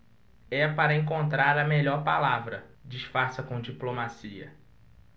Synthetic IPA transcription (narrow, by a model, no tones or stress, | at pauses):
ɛpaɾɐẽkõnt̪ɾaɾɐmeʎɔɾpalavɾɐd͡ʒiʃfaɾsɐkõd͡ʒiplomasiɐ̰